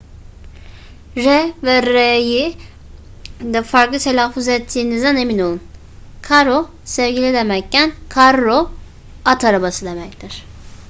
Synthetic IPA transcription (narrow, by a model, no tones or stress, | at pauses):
ɾɛvɛɾeji | d̪ɛfaɾklˠɯt̪ʰelʲaːfuzɛt̪ʰːiːnizd̪ɛne̞mino̞lˠun | kʰaɾo | sɛvɟilʲid̪emɛc̚cænkʰaɾːo | at̪ʰaɾabasɯd̪e̞mɛct̪iɾ̥